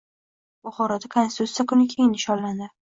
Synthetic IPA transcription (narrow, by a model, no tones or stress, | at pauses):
b̥ʊχɒɾad̪akʰonsɪ̥t̪ut̪sjakʊnɪkʲʰejɪnɪʃɒnland̪ɪ